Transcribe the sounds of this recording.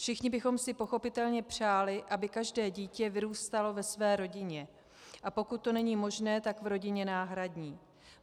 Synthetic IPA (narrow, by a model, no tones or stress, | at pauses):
fʃɪxɲɪbɪxo̞msɪpo̞xo̞pɪt̪ɛlɲɛpr̝̥aːlɪʔabɪkaʒdɛːɟiːcɛvɪɾuːst̪alo̞vɛsvɛːɾo̞ɟɪɲɛ | ʔapo̞kut̪̚ːo̞nɛɲiːmo̞ʒnɛːt̪akvɾo̞ɟɪɲɛnaːɦɾadɲiː